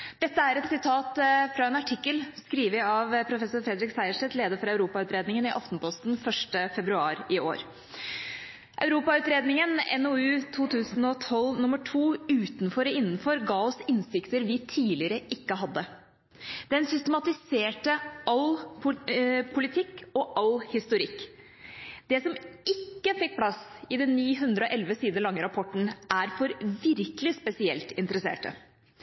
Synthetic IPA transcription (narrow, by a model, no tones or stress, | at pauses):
d̪̥ɛt̪ːəæɾɛt̪sɪt̪ʰɑːt̪fɾɑɛːnɑʈʰɪkːəlskɾiːʋəɪɑʋpʰɾʊfɛsʊɾfɾɛd̪ɾɪksæɪəʂʈɛt̪leːd̪əɾfɔɾœʉɾuːpɑʉːt̪ɾeːd̪nɪŋənɪʔɑft̪npʰɔst̪n̩fœʂʈəfɛbɾʉɑːɾɪo̰ːɾ | ʔœʉɾuːpɑʉːt̪ɾeːd̪nɪŋənɛ̰noʉːt̪ʰuːt̪ʰʉːsn̩ɔt̪ʰɔlːnʊmːəʈʰuːʉːt̪nfɔɾɪnːn̩fɔɾɡɑːɔsɪnsɪkt̪əɾʋɪt̪ʰiːlɪəɾəʔɪkːəɦɑd̪ːə | d̪̥ɛnsʏst̪əmɑt̪ɪseːʈəɑl | pʰʊlɪt̪ʰɪkːɔʔɑlhɪst̪ʊɾɪkː | d̪̥ɛsɔmɪkːəfɪk̚ːpʰlɑsɪd̪ɛnːiːɦʉnd̪ɾəɔʔɛlʋəsiːd̪əɭɑŋːəɾɑpʰɔʈn̩ʔæɾfɔɾʋɪɾkəlɪspɛsɪɛ̰lt̪ɪnt̪əɾəsḛːʈə̰